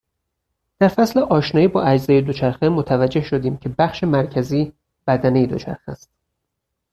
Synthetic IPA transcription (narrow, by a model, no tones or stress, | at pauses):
d̪̥æɾfæsleʔɒːʃnɒːjiːbɒːʔæd͡ʒzeːjed̪ot͡ʃʰæɾxemot̪ʰævæd͡ʒːe̞hʃod̪iːmcʰe̞bæχʃe̞mæɾcʰæziː | b̥æd̪æne̞jed̪o̞t͡ʃʰæ̰ɾxæ̰st̪̚